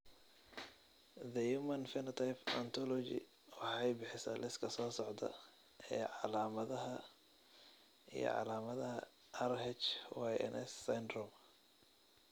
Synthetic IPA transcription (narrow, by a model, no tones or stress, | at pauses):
ðɐjuːmɐnfɪnɐt̪ʰajpʰɔnt̪ʰɔlɔt͡ʃɪ̰ | wɑħɑjbɪħɪsɐlɪskʰɐsɔːsɔʕd̪ɐ̰ | ɛːʕɑlaːmɐðɐɦɐ | ḭjɔ̰ʕɑ̰laːmɐðɐɦɐ | ɐrɦɛt͡ʃwajʔɛ̰nʔɛsːajnd̪rɔm